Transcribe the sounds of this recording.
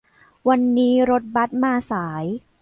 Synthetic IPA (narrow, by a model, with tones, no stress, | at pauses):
wa˧nːiː˦˥ɾo˦˥t̪̚ba˦˥t̪̚maː˧saː˩˦j